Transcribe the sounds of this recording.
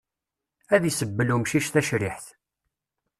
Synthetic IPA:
æðisəbːəlumʃiʃθæʃɾɪħθ

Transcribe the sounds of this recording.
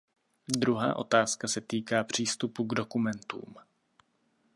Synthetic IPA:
d̪ɾuɦa̰ːʔo̞̰t̪aːskasɛt̪iːkaːpr̝̥iːst̪upuɡdo̞kumɛnt̪ṵːm

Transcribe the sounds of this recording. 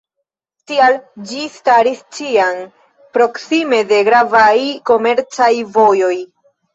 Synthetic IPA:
tiald͡ʒistaɾist͡ʃian | pɾo̞ksime̞de̞ɡɾavajko̞me̞ɾt͡sajvo̞jo̞j

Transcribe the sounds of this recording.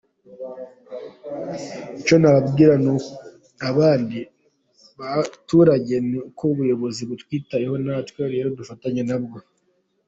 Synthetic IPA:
it͡ʃo̞naβab̚ɡiːɾanu | aβaːndi | βatuɾaɟe̞nkoβujo̞βo̞ziβutwiːtajeho̞natweɾe̞ːɾo̞dufataɲenab̚ɡo̞

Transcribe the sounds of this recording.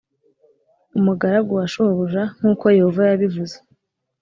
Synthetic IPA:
umuɡaɾaɡuwaʃoβuʒaŋ̥huːko̞je̞ho̞vajaβivuze

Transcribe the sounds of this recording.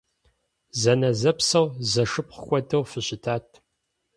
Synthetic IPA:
zɐnɐzɐpsɐwzɐʂɨp̚χəxʷʼɔdʰɐwfɨɕɪtʰaːtʰ

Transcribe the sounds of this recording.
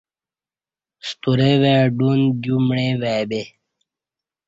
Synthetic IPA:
st̪uɾeweːɖundjumɳẽːwɛbe

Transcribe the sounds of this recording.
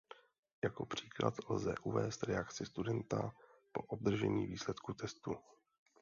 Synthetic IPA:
jako̞pr̝̥iːkla̰t̪lzɛ̰ʔuvɛːst̪ɾɛakt͡sɪst̪udɛnt̪a̰po̞ʔob̚d̪r̩ʒɛɲḭːviːslɛt̪kut̪ɛst̪u

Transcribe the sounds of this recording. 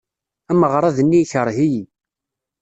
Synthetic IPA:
æməʁɾˤɑðənːiçəɾˤɦiji

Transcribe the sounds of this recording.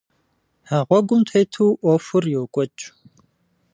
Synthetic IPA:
haʁʷɔɡʷʊmtʰejtʰuːʔɔfʊrjɛwkʷʼɔt͡ʃʼ

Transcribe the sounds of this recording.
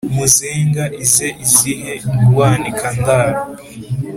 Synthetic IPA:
muziːŋɡaʔizeʔiziɦeuwaːnikʰandaːɾ

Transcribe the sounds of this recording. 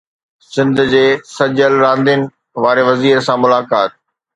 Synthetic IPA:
sɪ̃nd̪ʱʊ̆d͡ʑeːsɐd͡ʑəlɾãːnd̪ɪənɪ̆ | ʋaːɾeʋɐziːɾsãmʊlaːkaːt̪̚

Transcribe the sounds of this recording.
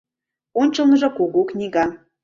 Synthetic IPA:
onʲt͡ɕɤlˠnəʒɤ̆kuɣuknʲiɣɑ

